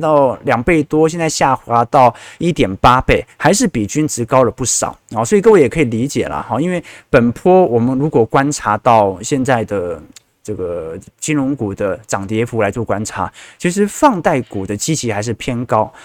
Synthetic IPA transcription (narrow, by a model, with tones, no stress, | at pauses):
t̪ɑ˥˩ʊljɑ˨˩ŋpe˥˩ɪt̪wɔ˥ɕjnt͡sa˥˧ɪɕja˥˩xwa˧˥t̪ɑ˥˩˧ʊi˥˩t̪jɛ˨˩npa˥pe˥˩ɪxa˧˥ɪʂ̬ɻ̩˥˩pi˨˩t͡ɕy˥nʈ͡ʂɻ̩˧˥kɑ˥ʊlə˨pu˥˩ʂɑ̰˨˩˦ʊɔ˥˩swɔ˧˥˨kə˥˧wjɛ˨˩kʰɤ˧˥i˨˩li˧˥t͡ɕjɛ˨˩lə̰˦xɑ˥˧i˥nwe˥˩ɪpə˨˩npʰɔ˥wɔ˨˩mə˦nɻu˧˥kwɔ˨˩kwa˥nʈ͡ʂʰa˧˥t̪ɑ˥˩ʊɕjɛ˥˧nt͡sa˥˩ɪd̪ə˩ | ʈ͡ʂɤ˥˩ɡə˩t͡ɕi˥nɻʊ˧˥ŋku˨˩d̪ə˦ʈ͡ʂɑ˨˩ŋt̪jɛ˧˥fu˧˥la˧˥ɪt͡swɔ˥˩kwa˥nʈ͡ʂʰa̰˧˥˦t͡ɕʰi˧˥ʂ̬ɻ̩˧˥fɑ˥˧ŋt̪a˥˩ɪku˨˩d̪ə˦t͡ɕi˥t͡ɕʰi˧˥xa˧˥ɪʂ̬ɻ̩˥˩pʰjɛ˥nkɑ˥ʊ